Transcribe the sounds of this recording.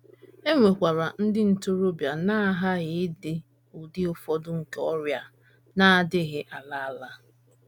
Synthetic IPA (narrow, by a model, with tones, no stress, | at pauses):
e˦ŋʷe˨kʷa˨ɾa˨n̩˦dɪ˦n̩˨tʊ˦ɾo˦bja˨na˦ɦa˦ɣɪ˦dɪ˦ | ʊ˨dɪ˦ʊ˦fɔ˦dʊ˦ŋ̩˨ke˨ɔ˦ɾja˦ | na˦a˨dɪ˦ɣɪ˦ʔa˨la˦a˦la˦